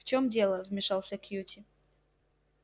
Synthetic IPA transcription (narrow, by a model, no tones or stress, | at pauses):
ft͡ɕo̞mdʲe̞lˠəvmʲɪʂɑlˠsʲəkjutʲɪ